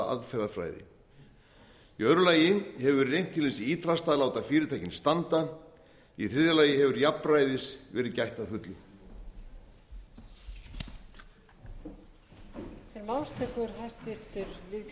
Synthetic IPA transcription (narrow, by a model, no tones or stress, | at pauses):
a̰ðfɛɾðafɾa̰ːjðɪ̰ | iœɾʏlaːjɪhɛvʏɾrejn̥t̪ʰːɪlvɛsɪiːt̪ɾast̪aːðlaːwt̪afɪːɾɪt̪ʰajcɪnst̪ant̪a | iθɾɪðjalaːjɪɦɛvʏɾjapɾajðɪsvɛːɾɪðcajht̪aðfʏt̪lʏ | fɪɾmawlst̪ʰɛkʏɾ̥ɦajst̪vɪɾt̪ʏɾvɪ